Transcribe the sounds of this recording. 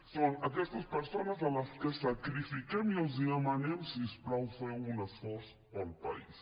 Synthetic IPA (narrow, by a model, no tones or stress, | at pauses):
sõnɐkest̪ɐspeɾsonɐzalaskesakɾifikemioziamanemsispɾawfweunɐfoɾs | polpa̰is